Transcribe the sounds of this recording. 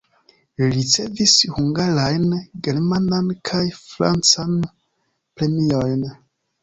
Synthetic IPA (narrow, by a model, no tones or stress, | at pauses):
ɾit͡se̞vishuŋɡaɾajnɡe̞ɾmanankʰajfɾa̰nt͡san | pɾe̞mio̞jn